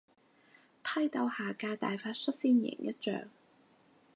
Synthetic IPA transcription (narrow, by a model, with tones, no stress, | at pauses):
pʰɐ˥jt̪ɐ˧whaː˨kaː˧t̪a̰ː˨jfaː˧˥t̚sɵ˥t̚siː˥njɪ̰˨˩ŋjɐ˥t̚t͡ʃœ̰ː˨ŋ